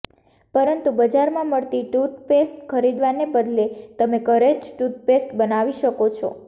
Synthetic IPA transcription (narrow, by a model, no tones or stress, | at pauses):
pəɾənt̪ubəd͡ʒaɾmãməɭt̪iʈut̪̚pesʈkʰəɾid̪ʋanebəd̪let̪əmekəɾet͡ʃʈut̪̚pesʈbənaʋiʃəkot͡ʃʰɔ̰